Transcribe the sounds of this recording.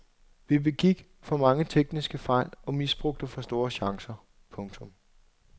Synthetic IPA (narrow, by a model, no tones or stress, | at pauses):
ʋibe̝ɡ̥iɡ̥ | fɒ̽mɑ̈ŋət͡sʰeɡ̥nisɡ̥əfɑ̈ɪ̰lɒ̽misb̥ʁɔ̽ɡ̥̚d̥əfɑsd̥o̝ːɐɕɑ̈ŋsɐ | pʰɔ̽ŋt͡sʰɔ̽m